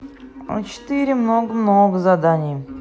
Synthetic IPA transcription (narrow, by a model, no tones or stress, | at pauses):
o̰t͡ʃʰɪ̥t̪iɾʲɪmnoɡəmnoɡəzad̪anʲɪjə